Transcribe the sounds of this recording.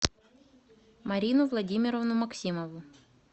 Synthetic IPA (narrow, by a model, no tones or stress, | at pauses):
mɐɾʲinʊvlˠɐdʲimʲɪɾɔvnʊmɐksʲimɔʋʊ